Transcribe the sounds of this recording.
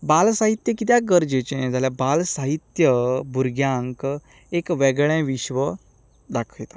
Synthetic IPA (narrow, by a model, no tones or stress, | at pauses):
balsaɦit̪jəkit̪̬jaɡəɾd͡ʑet͡ɕẽd͡zaljabalsaɦit̪jəbʱuɾɡjãŋk | ekʋɛɡɭẽʋiɕʋə | d̪akʰəjt̪a